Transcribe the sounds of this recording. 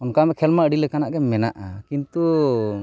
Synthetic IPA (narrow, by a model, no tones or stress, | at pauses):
ɔnkamɛkʰɛlmaʔəɖilɛkanaʔɡɛmɛna̰ʔakint̪u